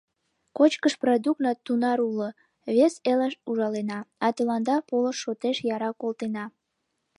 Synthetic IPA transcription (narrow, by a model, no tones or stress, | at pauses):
kot͡ɕkəʃprod̪uk̚nɑt̪unɑɾulo | βeseləʃuʒɑlenɑɑt̪əlɑnd̪ɑpoləʃːot̪eʃjɑɾɑkolt̪enɑ